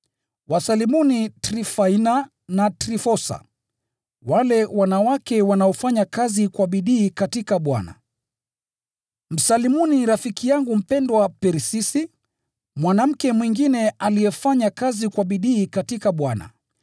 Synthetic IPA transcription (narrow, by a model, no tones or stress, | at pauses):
wasalimunitɾifaina | natɾifɔsa̰ | walɛwanawakɛwanaɔfaɲakazikwaɓiɗiːkatikaɓwa̰na̰ | m̩salimuniɾafikijaŋɡum̩pɛndwapɛɾisisi | mwanam̩kɛmwiŋɡinɛalijɛfaɲakazikwaɓiɗiːkatikaɓwana̰